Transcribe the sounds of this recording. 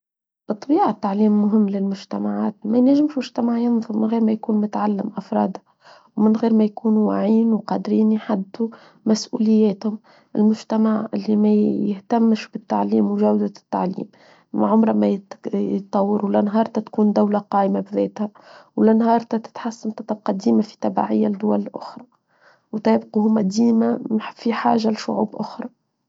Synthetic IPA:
ʔɨt̪ˤːbiːʕat̪ːaʕliːmːʊɦɪmːlɪlmʊʒt̪amaʕaːt̪̚mæjnæʒːɪmʃmʊʒt̪amaʕjɪnðˤʊɾmɪnɣiːɾmæjkuːnmʊt̪ʕalːɪmʔafɾˤɑ̰ːd̪ha | wmɪnɣiːɾmæjkuːnuwa̰ʕiːnwqɑd̪ɾiːnjħad̪ːu | mæsʔuːlɪjːɛːt̪hʊm | ɪ̰lmʊʒt̪amaʕɪ̰lːimæjɪht̪æmːʃbɪt̪ːa̰ʕliːmwʒawd̪at̪ːa̰ʕlḭːm | ʕʊmɾˤɑmæjjət̪ˤːɑwːɑɾuwlɪnɦɑːɾˤt̪ɑt̪kuːnd̪awlaqɑːʔmabðɛːt̪hæ | wlɪnhɑːɾˤt̪ɑt̪ɪ̥t̪ħasːant̪ɑt̪ˤɑb̚qɑd̪iːmafi̥t̪æba̰ʕɪjːad̪ːʊwælɪlʔʊ̰xɾˤɑ | wt̪æːbquhʊmːæd̪iːmafiħa̰ːʒalɪʃʊʕṵːbʔʊxɾˤɑ

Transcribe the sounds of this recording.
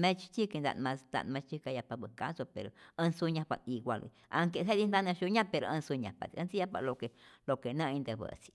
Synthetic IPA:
mẽt͡ʃi̥t͡ʃ̪ʲikid̪a̰nmãsnd̪a̰ʔnmãt͡ʃikajapaβɨkasapeɾo̰ə̃nsuɲãpa̰iɡʷalḭa̰ŋkeɦeðind̪anẽʃuɲãpeɾoə̃suɲãpa̰t̪iə̃nt͡sijapa̰lokelokenə̃ĩnd̪eβə̰t͡si̥

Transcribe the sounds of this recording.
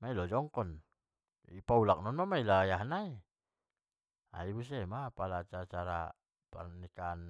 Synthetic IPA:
mailɔd͡ʒɔŋkɔn | ipaulak̚nɔnmamailajaɦnai | a̰ibus̬ɛmapalat͡ʃat͡ʃaɾa | pa̰nːikan

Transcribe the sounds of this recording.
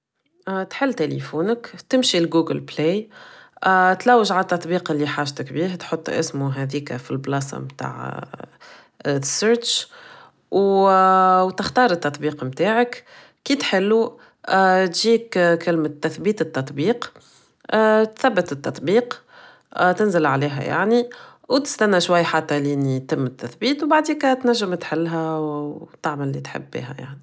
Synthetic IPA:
t̪ħɪlːt̪elḭfuːnəkt̪ɪmʃilɡuːɡəlble | t̪læwːəʒʕat̪ːɑt̪ˤbiːqɪlːiħaːʒt̪ɪkbiːht̪ħot̪ˤːʔɪ̰smuɦɛd̪iːkfilblɑːsa̰mt̪a̰ːʕ | səɾt͡ʃ | w | wt̪ɪxt̪ɑːɾˤɪt̪ːɑt̪ˤbiːqmt̪aːʕək | kiːt̪ħɪlːu | t̪ʒiːkkɪlmət̪ːæθbiːt̪ət̪ːɑt̪ˤbiːq | t̪θæbːət̪ɪt̪ːɑt̪ˤbiːq | t̪ɪnzɪlʕaliːɦɛ̰ja̰ʕniwt̪ɪ̥st̪ænːæʃwajːħat̪ːæliːnit̪ɪmːɪt̪ːæθbiːt̪wbaʕd̪iːkæt̪næʒːəmt̪ħɪlːɦɛwt̪ɪʕməlːit̪ħɪ̰bːḭːɦæ̰ja̰ʕni

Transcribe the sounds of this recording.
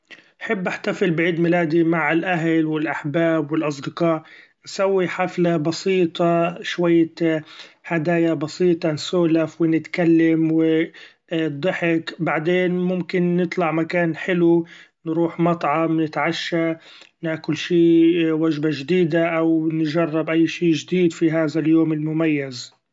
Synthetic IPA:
nħɪbːʔaħt̪afɪlbɪʕiːd̪mɪlaːd̪imaʕɪlʔaɦlwɪlʔaħbaːbwɪlʔɑs̬ˤd̪ɪqɑːʔ | nsawːiħaflabɑsiːt̪ˤɑʃwajːa | had̪aːjabɑsiːt̪ˤɑnsuːlafwɪnɪt̪kalːamwɪ | d̪ˤɨħɪkbaʕd̪eːnmʊmkɪnːɨt̪ˤlɑʕmakaːnħɪlu | nɾuːħmɑt̪ˤʕɑmnɪt̪ʕaʃːa | nɪʕkʊlʃiːwaʒbaʒd̪iːd̪aʔawnʒɑrˤːɑbʔajːʃiːʒɪd̪iːd̪fiɦaːðaljoːmɪlmʊmajːaz

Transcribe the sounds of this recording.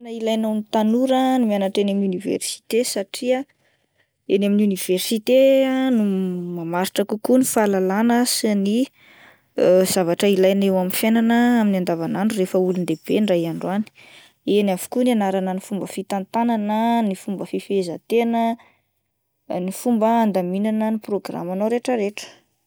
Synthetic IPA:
nailajnanit̪anuɾənimanaʈ͡ʂenaminunivḛrsi̥t̪esaʈ͡ʂia | enaminuniv̥ersit̪eanumamaɾiʈ͡ʂəkukunifalalanəsini | z̥avaʈ͡ʂəilajnewamifjenanəaminiand̪avanaɳɖ͡ʐurefəulund̪eb̥eɳɖ͡ʐajaɳɖ͡ʐwani̥ | enavu̥kunianaɾanənifumbəfit̪ant̪ananənifumbəfifezət̪enə | nifumbəand̪aminanəniproɡra̰manoɾeʈ͡ʂəɾeʈ͡ʂə̥

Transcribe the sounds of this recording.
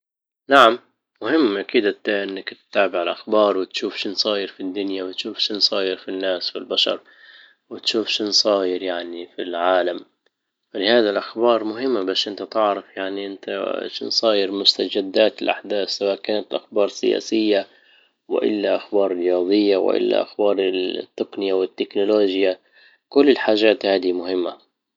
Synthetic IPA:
naʕamː | ʊhɪmːʔakiːd̪ʔat̪aʔɪnːakt̪t̪ːaːbɪʕɪlʔaxbɑːɾˤwɪt̪ʃuːfʃɪnsˤɑːjɪɾfid̪ːʊnjawɪt̪ʃuːfʃɪnsˤɑːjɪɾfinːaːsfilbaʃɑ̰ɾˤ | wɪt̪ʃuːfʃɪnsˤɑːjɪɾjaʕnifilʕaːlam | falɪhaːd̪alʔaxbɑːɾˤmʊɦɪmːabaːʃʔɪnt̪at̪ɪʕɾɑfjaʕniʔɪnt̪a̰ʃɪnsˤɑːjɪɾmʊst̪ad͡ʒad̪ːaːt̪ɪlʔa̰ħd̪aːθːawaːʔkaːnat̪ʔa̰xbɑːɾˤsɪ̰ja̰ːsɪjːa | wɪ̰ʔɪ̰lːaʔaxbɑːɾˤrɪjɑːðˤɨjːawɪ̰ʔɪ̰lːa̰ʔa̰xbɑːɾˤɪt̪ːɪqnɪjawɪt̪ːɪknʊloːʒja | kʊlːɪlħaːʒaːt̪haːd̪imʊhɪmːa

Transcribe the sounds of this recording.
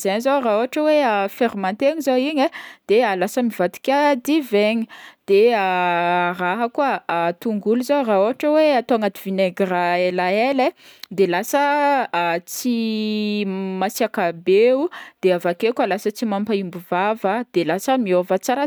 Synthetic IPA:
zenizaraoɦaʈ͡ʂəweəfeɾimant̪eɲizowiɲed̪̥ealasəmivat̪i̥kʲad̪iveɲid̪̥earaɦəkuət̪uŋɡuluzowraoɦaʈ͡ʂəweat̪oaŋat̪ivineɡraelaeled̪elasəː | t͡si | masiakabeud̪̥eavakekʲalasət͡simampaimbuvavəd̪̥elasəmiovət͡saɾa

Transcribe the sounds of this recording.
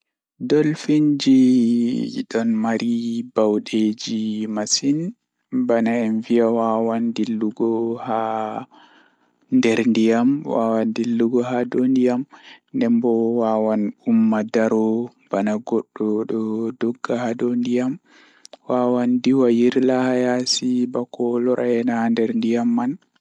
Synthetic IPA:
dɔlfiɲd͡ʒi | ɗɔnmaɾibawɗed͡ʒimasin | banaɛnvijawawandilːuɡɔha | ndɛɾndijamwa̰wandilːuɡɔɦadɔndijamndɛmbɔwawanumːadaɾɔ | b̥anaɡɔɗːɔɗɔdɔɡːahadondijam | wawandiwajiɾlahajasibakɔlɔɾʔaɛnandɛɾndijamːan

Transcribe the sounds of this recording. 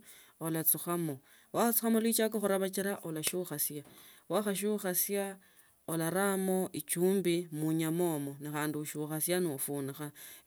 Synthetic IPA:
olat͡suxamo | waxat͡su̥xamolwit͡ʃakoxuɾaβat͡ʃiɾaʔolaʃuxasjawaxaʃ̬uxasja | olaɾamo̞it͡ʃuːmbimuɲamoːmo̞nixaːndiuʃuxasjanofunixa

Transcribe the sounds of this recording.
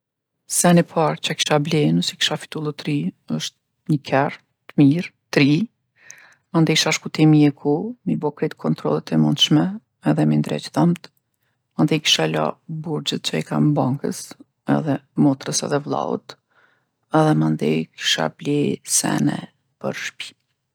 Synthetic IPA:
sɛnipʰaɾt͡ʃaki̥ʃablɛnusɛ̥ki̥ʃafi̥t̪ulˠut̪ɾi | əʃt̪̚ | ɲəkʰɛr | t̪miɾt̪ɾi | mand̪ɛʃaʃkut̪imiɛkʰumibɔkɾit̪kʰɔnt̪ɾɔ̰lˠət̪ʰɛmund̪ʃmɛː | ðɛmind̪ɾɛ̰t͡ʃθəmt̪ | mand̪ɛjki̥ʃala̰buɾd͡ʑət̪̚t͡ʃaika̰mbaŋkə̰s | ɛ̰ðɛmɔt̪ɾəsɛ̰ðɛvlˠa̰ṵt̪ | ɛðɛmand̪ɛjki̥ʃa̰blɛsɛ̰nɛ̰ | pə̰ɾʃpi̥

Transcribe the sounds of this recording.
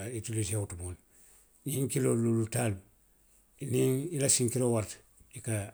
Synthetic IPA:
itulisewutuboːn | niŋkilololutal | niŋilasiŋkiɾowaɾt | ika

